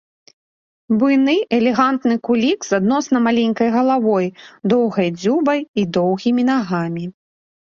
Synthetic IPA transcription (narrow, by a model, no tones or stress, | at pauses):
bujnɨʔɛlʲɛɣant̪nɨkulʲikz̥ad̪̚nɔsn̪ɐmalʲenʲkɐjɣɐlˠavɔjd̪ɔwɣɐjd͡zʲubɐjid̪ɔwɣʲimʲinaɣamʲi